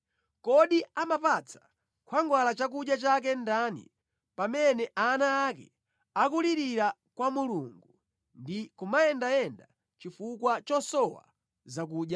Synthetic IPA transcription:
kɔɗiamapat͡sʰḁ | kʰwaŋɡwalat͡ʃak̬uɗjat͡ʃak̬ɛndanḭ | pamɛnɛʔanaːkɛ̰ | akuliɾiɾa | kwamuluŋɡu | ndikumaɛndaɛnda | t͡ʃifukwat͡ʃɔsɔwa̰ | zakuːɗja

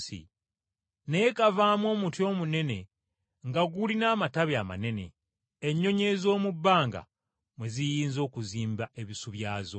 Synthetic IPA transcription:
sḭ | nejekavaːmwo̞ːmutjo̞ːmune̞ne̞ | ŋɡaɡulinaːmataβjama̰ne̞ne̞̰ | eɲːo̞ɲe̞zo̞ːmubːaːŋɡa̰ | mwe̞zijiːnzo̞ːkuziːmbaʔe̞βisuβjaːzo̞

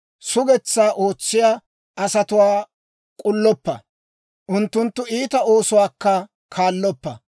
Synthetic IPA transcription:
sʊɡɛt͡sːaːʔo̞ːt͡sːɪjaː | ʔɐsɐt̪ʊwaː | kʼʊlːɔpːɐ | ʔʊnt̪ːʊnt̪ːʊiːt̪ɐo̞ːsʊwaːkːɐ | kʰaːlːɔpːɐ

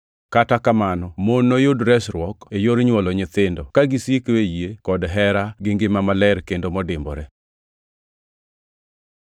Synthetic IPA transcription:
katakamanɔmonːojodɾɛsɾwɔkejoɾɲwɔlɔɲɪt̪ɪndɔkaɡɪsikwejekɔdɦɛɾaɡɪŋɡɪmamalɛɾkendomɔdɪmbɔ̰ɾɛ

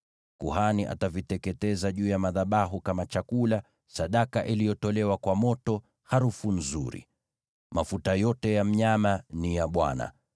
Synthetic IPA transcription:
kuhaniʔa̰tavitɛkɛtɛzaʄuːjamaðaɓaɦukamat͡ʃakula | saɗakaʔilijɔtɔlɛwakwamɔtɔ | haɾufun̩zṵɾḭ | mafutajɔtɛjam̩ɲamanijaɓwa̰na̰

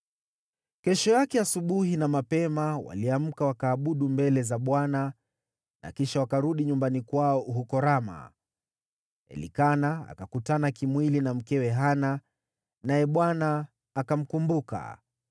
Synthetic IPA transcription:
kɛʃɔjakɛasuɓuɦinamapɛmawa̰liam̩kawakaːɓuɗumbɛlɛzaɓwana | na̰kiʃawakaɾuɗiɲumbanikwaɔuɦukɔɾama̰ | ɛ̰lḭkanaa̰kakutanakimwilinam̩kɛwɛɦana | najɛɓwanaː | kam̩kumbuka̰

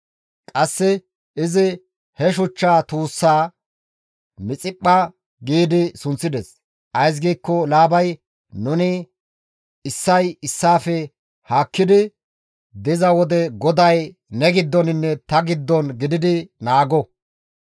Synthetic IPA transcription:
kʼɐsːɪ | ɪzɪ | hɛʃ̬ʊt͡ʃːaːt̪uːsːaː | mɪt͡sʼɪpʼːɐ | ɡiːd̪ɪsʊnt͡sːɪd̪ɛs | ʔɐjs̬ɡiːkːɔlaːbɐj | nʊnɪ | ɪsːɐjɪsːaːfɛ | haːkːɪd̪ɪ | d̪ɪzɐwɔd̪ɛɡɔd̪ɐj | nɛɡɪd̪ːɔnɪnːɛt̪ɐɡɪd̪ːɔnɡɪd̪ɪd̪ɪnaːɡɔ

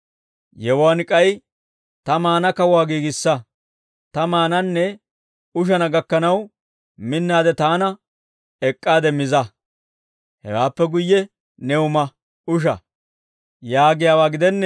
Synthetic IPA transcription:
jɛwaːnɪkʼɐj | t̪ɐmaːnɐkɐwaːɡiːɡɪsːɐ | t̪ɐmaːnɐnːɛ | ʊʃ̬ɐnɐɡɐkːɐnɐw | mɪnːaːd̪ɛt̪aːnɐ | ɛkʼːaːd̪ɛmɪzɐ | hɛ̰waːpːɛɡʊjːɛ | nɛʊmɐ | ʊʃ̬ɐ̰ | jaːɡɪjaːwaːɡɪd̪ɛnːɛ

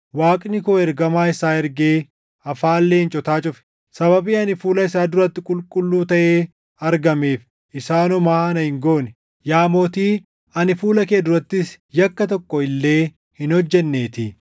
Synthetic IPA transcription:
waːkʼnɪkoːɛɾɡɐmaːɪsaːɛɾɡeː | ɐfaːlːeːɪnt͡ʃʼɔt̪aːt͡ʃʼʊfɛ̥ | sɐbɐbiːɐnɪfuːlɐɪsaːd̪ʊɾɐt̪ːɪkʼʊlkʼʊlːuːt̪ɐʔeː | ɐɾɡɐmeːf | ʔɪsaːnʊmaːɐnɐhɪŋɡoːnɪ | jaːmoːt̪iː | ɐnɪfuːlɐkeːd̪ʊɾɐt̪ːɪs | jɐkːɐt̪ɔkːɔɪlːe̞ː | hɪnhɔd͡ʒːɛnːe̞ːt̪ɪ

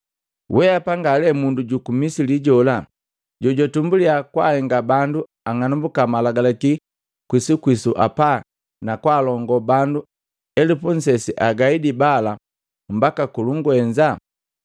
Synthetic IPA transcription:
wʔɛapaŋɡalɛmunduɟukumisiliɟɔla | ɟɔɟɔtumbuliakwahɛŋɡabandu | aŋanumbukamalaɡalaki | kwisukwisuʔa̰pa | nakwaːlɔŋɡɔbandu | ɛlipuɲ̩sɛsiʔaɡaidibala | m̩bakakuluŋɡuɛɲd͡ʒa

